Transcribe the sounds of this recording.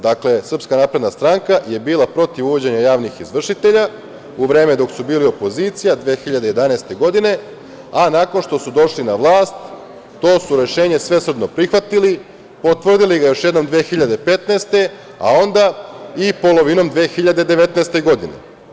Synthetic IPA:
d̪akle̞sr̩pskanaːpɾe̞d̪nast̪ɾaŋkaje̞biːlˠapɾo̞t̪iʋuʋo̞d͡ʑe̞ɲajaːʋnixizʋr̩ʃit̪e̞ʎa | uʋɾe̞ːme̞d̪o̞ksubiːlio̞po̞zit̪sijad̪ʋe̞ːxiʎad̪e̞je̞d̪anaest̪e̞ɡo̞d̪ine̞ | anako̞nʃt̪o̞sud̪o̞ʃlinaʋlˠaːst̪ː | o̞ːsuɾe̞ʃe̞ːɲe̞sʋe̞srd̪no̞pɾixʋat̪ili | po̞t̪ʋr̩d̪iliɡajo̞ʃje̞d̪no̞md̪ʋeːxiʎad̪e̞pe̞t̪nest̪e̞ | a̰o̞nd̪aipo̞lo̞ʋino̞md̪ʋeːxiʎad̪e̞d̪e̞ʋe̞t̪neːst̪eɡo̞d̪inḛ

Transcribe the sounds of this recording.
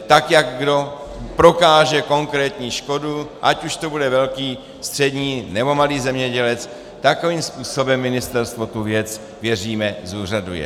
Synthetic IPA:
t̪akjakɡdo̞ | pɾo̞kaːʒɛko̞ŋkɾɛːt̪ɲiːʃko̞duʔacuʃt̪obudɛvɛlkiː | st̪r̝̥ɛd̪ɲiːnɛbo̞maliːzɛmɲɛɟɛlɛt͡s | t̪ako̞viːmspuːso̞bɛmːɪnɪst̪ɛɾst̪vo̞t̪uvjɛt͡s | vjɛr̝iːmɛzuːradujɛ̰

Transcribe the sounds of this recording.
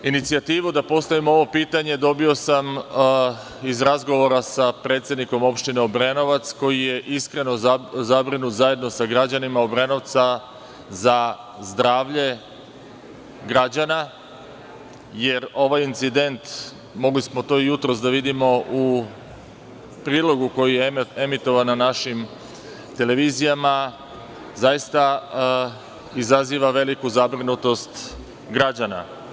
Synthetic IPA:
init̪siat̪iːʋud̪apo̞st̪aʋimoo̞ʋo̞piːt̪aɲe̞d̪o̞bio̞sam | izɾazɡo̞ʋo̞ɾasapɾe̞ːt̪sje̞d̪niko̞mo̞pʃt̪ine̞obɾeno̞ʋat̪sko̞jije̞ʔiskɾe̞no̞zabɾinut̪zaje̞d̪no̞saɡɾad͡ʑanimaobɾeno̞ʋt̪sa | za | zd̪ɾaːʋʎe̞ | ɡɾad͡ʑana | je̞ɾo̞ʋajint̪sid̪e̞nt̪ | mo̞ɡlismo̞t̪o̞ːijut̪ɾo̞sd̪aʋid̪imo̞ʔu | pɾiːlˠo̞ɡuko̞jijee̞mit̪o̞ʋanːanaʃim | t̪e̞le̞ʋizijama | zajist̪a | izaziːʋaʋe̞likuzabɾinut̪o̞st̪ | ɡɾad͡ʑana̰

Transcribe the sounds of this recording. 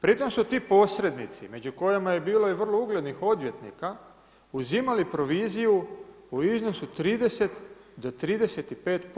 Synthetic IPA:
pɾit̪o̞msut̪iːpo̞sɾe̞d̪nit̪sḭme̞d͡ʑuko̞jemaje̞biːlo̞iʋər̩louɡle̞d̪nixo̞d̪ʋjet̪nḭka | uzimalipɾo̞ʋiːziju | uizno̞sut̪ɾiːd̪e̞se̞t̪d̪o̞t̪ɾiːd̪e̞se̞t̪ipe̞ːt̪p

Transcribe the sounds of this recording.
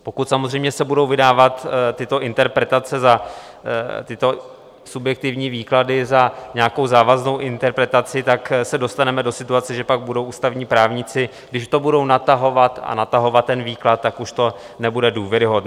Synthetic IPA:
po̞kut̪samozrɛjmɲɛsɛbudo̞wvɪdaːvat̪t̪ːɪt̪o̞ʔɪnt̪ɛɾpɾɛt̪at͡sɛza | t̪ɪt̪o̞ | subjɛk̚t̪ɪvɲiːviːkladɪzaɲɛako̞wzaːvazno̞wʔɪnt̪ɛɾpɾɛt̪at͡sɪt̪aksɛdo̞st̪anɛmɛdo̞sɪt̪uat͡sɛʒɛpaɡ̚budo̞wʔuːst̪avɲiːpɾaːvɲɪt͡sɪɡdɪʃt̪o̞budo̞wnat̪aɦo̞vat̪a̰nat̪aɦo̞vat̪ːɛnviːklat̪̚ːakuʃt̪o̞ | nɛbudɛduːvjɛɾɪɦodn

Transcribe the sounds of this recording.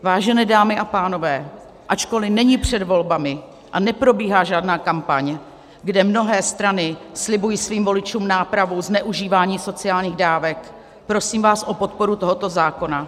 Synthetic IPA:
vaːʒɛnɛːdaːmɪʔapaːno̞vɛː | ʔat͡ʃko̞lɪnɛɲipr̝̥ɛdvo̞lbamɪ | ʔanɛpɾo̞biːɦaːʒaːdnaːkampaɲ | ɡdɛmno̞ɦɛːst̪ɾanɪslɪbujiːsviːmvo̞lɪt͡ʃuːmnaːpɾavuznɛʔuʒiːvaːɲiːso̞t͡sɪaːlɲiːɣdaːvɛk | pɾo̞siːmvaːsʔo̞po̞t̪̚po̞ɾut̪o̞ɦo̞t̪o̞zaːko̞na

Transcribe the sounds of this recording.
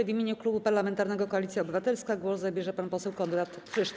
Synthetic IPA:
vʲimʲjeɲuklubupaɾlamɛnt̪aɾnɛɡɔkɔalʲit̪sʲjaɔbɘvat̪ɛlskaɡwɔszabʲjɛʐɛpanpɔsɛwkɔnd̪ɾat̪kʂɘʂt̪

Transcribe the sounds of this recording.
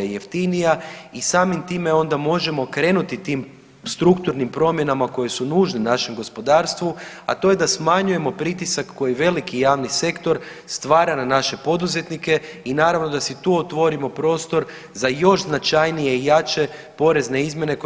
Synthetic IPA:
je̞ft̪inijaisaːmimt̪ime̞o̞nd̪amo̞ʒe̞mo̞kɾe̞ːnut̪it̪iːm | st̪ɾukt̪uɾnimpɾo̞mje̞namako̞je̞sunuːʒnenaʃe̞mɡo̞spo̞d̪aːɾst̪ʋua̰t̪o̞je̞d̪asmaɲuje̞mo̞pɾit̪isakːo̞jiʋe̞likijaːʋnise̞kt̪o̞ɾ | st̪ʋaːɾananaʃe̞po̞d̪uze̞t̪nike̞inaːɾaʋno̞d̪asit̪uot̪ʋo̞ɾimo̞pɾo̞ːst̪o̞ɾ | zajo̞ʃznat͡ʃajnije̞ijat͡ʃe̞po̞ɾe̞zne̞izmje̞ne̞k

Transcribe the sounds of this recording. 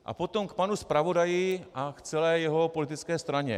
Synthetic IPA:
ʔa̰pot̪omk̚panuspɾavo̞dajɪʔakt͡sɛlɛːjɛɦo̞po̞lɪt̪ɪt͡skɛːst̪ɾaɲɛ̰

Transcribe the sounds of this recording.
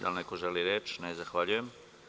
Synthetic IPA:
d̪a̰lnekoʒeliɾeːt͡ʃnezaxʋaʎuje̞m

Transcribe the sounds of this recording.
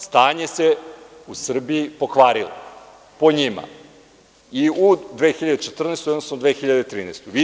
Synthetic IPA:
st̪aːɲe̞se̞ | usr̩bijipokʋaːɾilo̰ | poɲima̰ | iud̪ʋeːxiʎad̪et͡ʃet̪r̩nest̪ojod̪nosnod̪ʋeːxiʎad̪et̪ɾiːneːst̪uʋi

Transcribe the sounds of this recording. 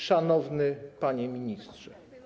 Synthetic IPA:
ʂanɔvnɘpaɲɛmʲiɲistʂɛ

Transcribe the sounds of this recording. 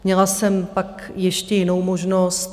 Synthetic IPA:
mɲɛlasɛmpak | jɛʃcɛjɪno̞wmo̞ʒnost̪

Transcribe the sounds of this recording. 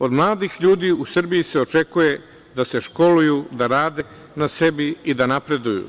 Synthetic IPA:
o̞d̪mlˠaːd̪ixʎuːd̪iːusr̩bijise̞o̞t͡ʃe̞kuje̞ | d̪ase̞ʃko̞lujud̪aɾaːd̪e | nase̞biid̪anapɾe̞d̪ujṵ

